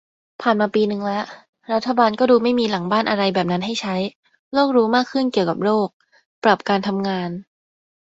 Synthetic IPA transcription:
pʰaː˨˩nmaː˧piː˧nɯ˨˩ŋlɛ˦˥ʔ | ɾa˦˥t̪ʰːa˧baː˧nkɔː˥˩duː˧ma˥˩jmiː˧la˨˩˦ŋbaː˥˩nʔa˧ɾa˧jbɛː˨˩p̚na˦˥nɦa˥˩jt͡ɕʰa˦˥j | loː˥˩k̚ɾuː˦˥maː˥˩kʰːɯ˥˩nki˨˩əwka̰˨˩p̚loː˥˩k̚ | pɾa˨˩p̚kaː˧nt̪ʰa˧mŋaː˧n

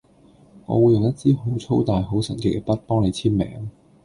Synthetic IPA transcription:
ŋɔ̰ː˨˧wuː˨˧jʊ˨ŋjɐ˥t̚t͡siː˥ɦo˨˥wt͡sʰo˥wt̪aː˨jɦo˨˥wsɐ̰˨˩nkɪ˨˥k̚ːɛ˧pɐ˥t̚pɔː˥ŋle˨˧jt͡sʰiː˥mmɛ̰ː˨˥ŋ

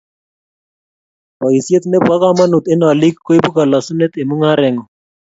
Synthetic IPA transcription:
a˨i˨sje˦t̪ne˦bwa˦ka˦ma˦nu˨t̪e˦na˨li˦kkwi˦bu˦ka˨la˨su˦ne˦t̪e˨mu˦ŋa˦ɾɛ˨ŋɔ˨

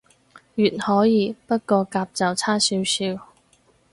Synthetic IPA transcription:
jyː˨˩nhɔː˨˥jiː˨˧pɐ˥t̚kɔː˧kaː˧p̚t͡sɐ˨wt͡sʰaː˥siː˨˥wsiː˧w

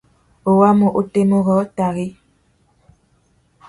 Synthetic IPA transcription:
o˨wa˦mo˨ʔo˦te˦mo˦ɣɔ˨˦ta˨ɣi˦

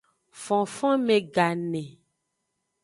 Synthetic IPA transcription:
fɔ̃˨fɔ̃˦mẽ˨ɡa˨nɛ̃˨

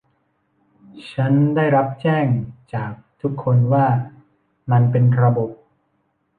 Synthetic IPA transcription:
t͡ɕʰa˦˥ndaː˥˩jɾa˦˥p̚t͡ɕɛː˥˩ŋt͡ɕaː˨˩k̚t̪ʰu˦˥kʰːo˧nwaː˥˩ | ma˧npe˧nɾa˧bo˨˩p̚

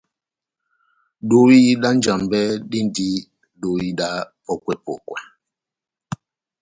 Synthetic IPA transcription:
ɗo˦i˦ɗa˦n˦d͡ʒa˨mbɛ˦ɗi˦ndi˦ | ɗo˨˦i˦ɗa˦ | ɔ˨kwɛ˦pɔ̰˨kwa˨

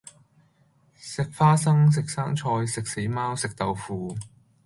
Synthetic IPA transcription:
sɪ˨k̚faː˥sɐ˥ŋs̬ɪ˨k̚saː˥ŋt͡ʃʰɔː˧jsɪ˨k̚se˨˥jmaː˥wsɪ˨k̚t̪ɐ˨wfuː˨˩

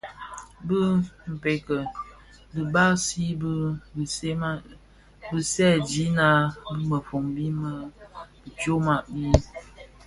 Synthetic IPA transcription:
bə˦m̩˨pe˨kə˨ | bɨ˨ba˦si˦b | bə˦sɛ˦˨d͡ʒi˨˦na˨bmə˨fo˨ŋbi˦mə˦bə˨tjo˦ma˦˨ʔbi˦

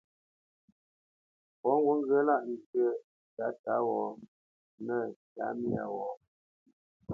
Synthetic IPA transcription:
pɔ˨˦ŋ˦ɡwu˦ŋ̩˦ɡə˦la˦ʔn˨tə˦ | ta˨˦ta˨˦wɔ˨˦ | nə˦˨ta̰˨˦mi˦a̰˨wɔ˨˦

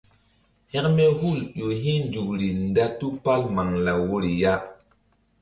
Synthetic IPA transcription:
hɛ˦kme˦hu˦˨ljo˨ɦĩ˦nd͡ʒu˨kɾi˨n˦da˦tu˦pa˦lma˨ŋla˨wo˦ɾi˨ja˦

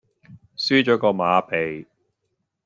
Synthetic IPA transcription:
syː˥t͡ʃɔː˨˥kɔː˧maː˨˧pʰe˨j

